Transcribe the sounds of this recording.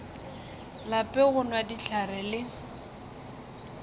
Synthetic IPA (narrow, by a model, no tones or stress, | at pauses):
lapʼɛɣʊnwadiɬarɛlɪ